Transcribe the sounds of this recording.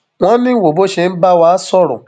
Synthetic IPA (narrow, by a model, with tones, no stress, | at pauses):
w̃ɔ̃˦nĩ˦wo˨bo˦ʃe˧n̩˦ba˦wa˦sɔ˦˨ɾʊ̰̃˨